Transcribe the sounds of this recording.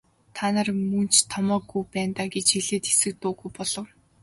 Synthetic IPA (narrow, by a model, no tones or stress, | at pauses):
t̪ʰanə̆rmɵn̥t͡ɕt̪ʰɔmɔːɡːujpæːnt̪aːɡet͡ɕxiɮeːt̪xe̥sɘ̆k̚t̪ʊːɣujpɔɮɞ̆w